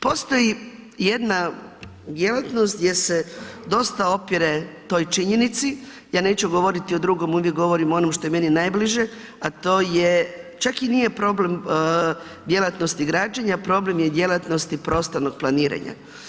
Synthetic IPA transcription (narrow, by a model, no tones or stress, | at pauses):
po̞ːst̪o̞jije̞d̪na | d̪je̞lat̪no̞st̪d̪je̞se̞d̪o̞st̪ao̞pjiɾet̪o̞ːjt͡ʃiɲenit̪si | jaːne̞ːt͡ɕuɡo̞ʋo̞ɾit̪iod̪ɾuɡo̞muʋjek̚ɡo̞ʋo̞ɾimo̞nomʃt̪o̞jeme̞ninajbliʒe̞ | at̪o̞ːjet͡ʃakinije̞pɾo̞ːble̞m | d̪je̞lat̪nost̪iɡɾaːd͡ʒaɲapɾo̞ble̞mje̞d̪je̞lˠat̪no̞st̪ipɾo̞st̪ano̞ɡ̥̚plˠaniːɾa̰ɲa̰